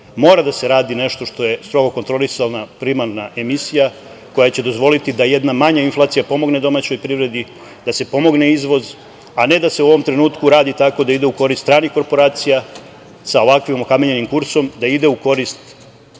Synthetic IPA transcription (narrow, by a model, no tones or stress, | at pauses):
mo̞ːɾad̪ase̞ɾaːd̪ine̞ʃt̪o̞ʃt̪o̞je̞st̪ɾo̞ɡo̞ko̞nt̪ɾo̞lisalˠnapɾimaɾnaʔe̞misija | ko̞jat͡ɕe̞d̪o̞zʋo̞lit̪id̪ajed̪namaɲainflˠaːt̪sijapo̞mo̞ɡne̞d̪o̞mat͡ɕo̞jpɾiʋɾe̞d̪i | d̪̥ase̞po̞mo̞ɡne̞izʋo̞z | ane̞d̪ase̞uo̞ʋo̞mt̪ɾe̞nuːt̪kuɾaːd̪it̪ako̞d̪aid̪e̞uko̞ɾist̪ːɾaːnixko̞ɾpo̞ɾaːt̪sija | sao̞ʋakʋimokameɲe̞nimkuɾso̞md̪aid̪e̞uko̞ɾist̪